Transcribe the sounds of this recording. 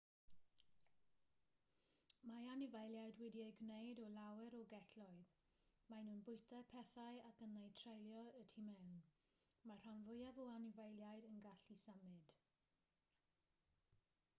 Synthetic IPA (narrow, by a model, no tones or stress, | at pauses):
maanɪvejlˠjajdwɛdieɡnejdɔlawɛɾɔɡɛtʰlɔɨð | majnuːnbʊɨtʰɛpʰɛθajakənːej̚tʰrejlˠjɔətʰimɛwn | mar̥anvʊjavɔanɪvejlˠjajdənɡaɬisamɪd̥